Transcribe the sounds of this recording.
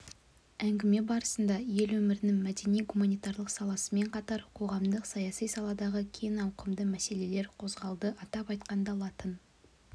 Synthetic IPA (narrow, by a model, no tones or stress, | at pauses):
æŋɡʲɪme̞bɑɾəsənd̪ɑje̞lwɵmɪɾɪnɪŋmæd̪e̞nijɡumɑnijt̪ɑɾlˠəqsɑlˠɑsəme̞ɴqʰɑt̪ɑɾqʰo̞ʁɑmd̪əqsɑjɑsijsɑlˠɑd̪ɑʁəkʲʰenɑwqəmd̪əmæse̞le̞le̞ɾqʰo̞zʁɑlˠd̪əʔɑt̪ɑpɑjt̪̚qɑnd̪ɑlˠɑt̪ən